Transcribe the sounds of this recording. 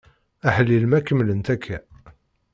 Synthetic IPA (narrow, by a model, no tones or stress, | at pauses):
æħəlːilmækːəmlənt̪ækʰːæ